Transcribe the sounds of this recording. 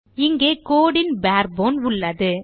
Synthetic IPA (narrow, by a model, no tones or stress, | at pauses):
ɪŋɡeːkoːɽɪnbaːɾ̚boːnʊɭːɐðɯ